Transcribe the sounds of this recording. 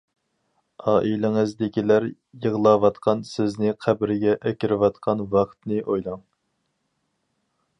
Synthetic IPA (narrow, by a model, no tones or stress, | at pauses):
ɑːʔilɪŋɨzd̪ɪkʲilæɾ | jəʁlˠɑːwɑt̪qʰɑnsɪznɪqʰæbɾɪɡʲɛʔɛkʲiɾɪwɑt̪qʰɑnwɑχt̪nɨʔojlˠɑŋ